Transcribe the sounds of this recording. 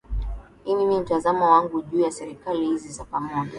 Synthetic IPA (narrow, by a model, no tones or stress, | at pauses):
hininim̩tazamɔwaŋɡuʄuːjasɛɾikalihizizapamɔʄa